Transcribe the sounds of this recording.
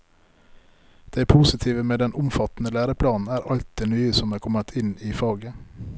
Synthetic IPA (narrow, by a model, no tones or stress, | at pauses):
d̪̥æɪpʰuːsɪt̪ʰiːʋəmeːd̪ɛnʔʊmfɑt̪n̩əlæːɾəpʰlɑːnn̩æːɾʔɑlt̪̚d̪eːnyːəsɔmæːkʰɔmət̪ʰɪniːfɑːɡə